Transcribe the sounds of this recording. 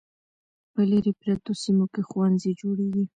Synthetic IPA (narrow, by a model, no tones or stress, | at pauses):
pəlaɾipɾat̪osimokexwanzed͡ʒoɽeɡi